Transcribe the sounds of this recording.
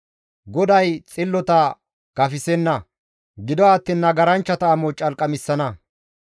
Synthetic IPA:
ɡɔd̪ɐjt͡sʼɪlːɔt̪ɐ | kɐfɪsɛnːɐ | ɡɪd̪ɔaːt̪ːiːnːɐɡɐɾɐnt͡ʃːɐt̪ɐːmɔt͡ʃʼɐlkʼɐmɪsːɐnɐ

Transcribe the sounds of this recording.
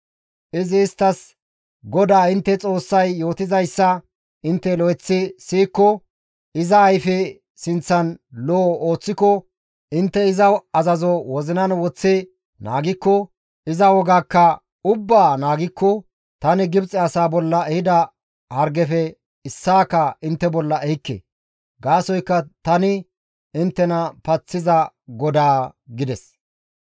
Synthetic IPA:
ʔɪzɪːst̪ːɐs | ɡɔd̪aːɪnt̪ːɛt͡sʼo̞ːsːɐjːo̞ːt̪ɪzɐjsːɐ | ɪnt̪ːɛlɔɛt͡sːɪsiːkːɔ | ɪzɐːjfɛ | sɪnt͡sːɐnloːo̞ːt͡sːɪkɔ | ɪnt̪ːɛɪzɐɐzɐzɔwɔzɪnɐnwɔt͡sːɪ | na̰ːɡɪkːɔ | ɪzɐwɔɡaːkːɐ | ʊbːaːnaːɡɪkːɔ | t̪ɐnɪɡɪbt͡sʼɛɐsaːbɔlːɐɛhɪd̪ɐ | hɐɾɡɛfɛ | ɪsːaːkːɐɪnt̪ːɛbɔlːɐʔɛhɪkːḛ | ɡaːsɔjkːɐt̪ɐnɪ | ɪnt̪ːɛnɐpɐt͡sːɪzɐɡɔd̪aːɡɪd̪ɛs

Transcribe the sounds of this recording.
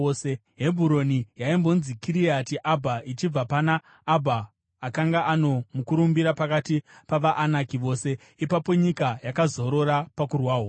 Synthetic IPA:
se | ɦe̞bʱuɾo̞nijaimbo̞nzikiɾiatiʔabʱait͡ʃib͡vapanaː | bʱaː | kaŋɡaʔano̞mukuɾumbiɾapakatipaʋaʔanakiʋo̞ːse̞ | ipapo̞ɲikajakazo̞ɾo̞ɾapakurwaːɦo

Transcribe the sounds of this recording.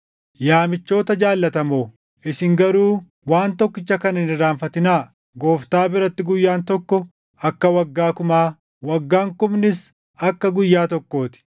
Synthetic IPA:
jaːmɪt͡ʃːo̞ːt̪ɐd͡ʒaːlːɐt̪ɐmoː | ɪsɪŋɡɐɾuː | waːnt̪ɔkːɪt͡ʃːɐkɐnɐɪnɪɾaːɱfɐt̪ɪnaː | ɡo̞ːft̪aːbɪɾɐt̪ːɪɡʊjːaːnt̪ɔkːɔ | ɐkːɐwɐɡːaːkʊmaː | wɐɡːaːŋkʊmnɪs | ɐkːɐɡʊjːaːt̪ɔkːo̞ːt̪ɪ̥

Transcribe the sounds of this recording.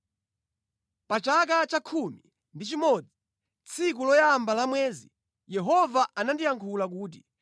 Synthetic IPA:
pat͡ʃak̬at͡ʃakʰumi | ndit͡ʃimɔd͡zi | t͡sʰik̬ulɔjambalamwɛːzḭ | jɛɦɔvaʔanandijaŋkʰulak̬uːt̬i

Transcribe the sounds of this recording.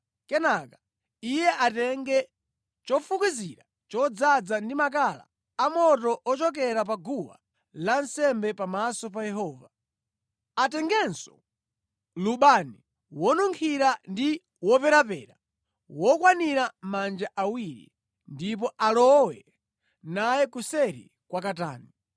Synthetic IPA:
kɛnaka | ijɛʔatɛŋɡɛ | t͡ʃɔfukiziɾa | t͡ʃɔd͡zad͡zandimak̬ala̰ | amɔtɔʔɔt͡ʃɔk̬ɛɾap̬aɡuwa̰ | lansɛmbɛpamasɔp̬ajɛɦɔːva | atɛŋɡɛnsɔ̥ | luɓani | wɔnuŋkʰiɾandi | wɔpɛɾapɛːɾa | wɔkwaniɾamand͡ʒaʔawiɾḭ | ndip̬ɔʔalɔwɛ | najɛkusɛɾḭ | kwakata̰ːni

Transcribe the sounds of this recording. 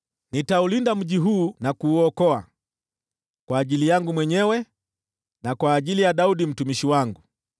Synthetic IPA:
nitaulindam̩ʄiɦuːnakuːɔkɔa̰ | kwaːʄilijaŋɡumwɛɲɛwɛ | nakwaːʄilijaɗauɗim̩tumiʃiwaŋɡu

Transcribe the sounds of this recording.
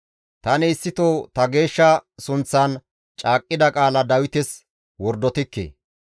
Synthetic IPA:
t̪ɐnɪːsːɪt̪oːt̪ɐɡe̞ːʃːɐsʊnt͡sːɐn | t͡ʃʼaːkʼːɪd̪ɐkʼaːlɐd̪ɐwɪt̪ɪs | wɔɾd̪ɔt̪ɪkːḛː

